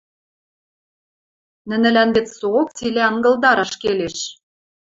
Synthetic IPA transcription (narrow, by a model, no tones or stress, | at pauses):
nɘ̆nɘ̆lænbĕt͡ssook̚t͡sileɑŋɡɤ̆ld̪ɑɾɑʃkeleʃ